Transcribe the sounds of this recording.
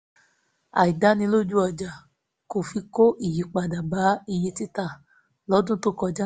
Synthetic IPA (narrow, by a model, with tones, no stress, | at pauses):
a̰˨i˨da˦nĩ˧˦lo˦˨d͡ʒu˦ɔ˨d͡ʒa˨ | ko˨fi˧ko˦ʔi˨ji˨˦k͡pa˨da˨ba˨˦i˧je˧ti˦ta˦˨ | lɔ˨˦dũ˦tu˦kɔ˧d͡ʒa˦